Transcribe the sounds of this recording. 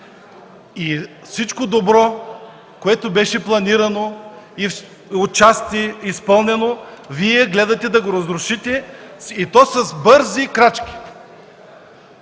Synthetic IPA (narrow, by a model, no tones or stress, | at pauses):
i | fsit͡ʃkod̪obɾɔ | koɛt̪obɛʃɛplˠɐniɾɐnoif | ot͡ʃast̪ʲiispɤlˠnɛnoviɛɡlɛd̪ɐt̪ɛd̪ɐɡoɾɐzɾʊʃit̪ɛit̪ɔsɐzbɤɾzikɾat͡ʃkʲi̥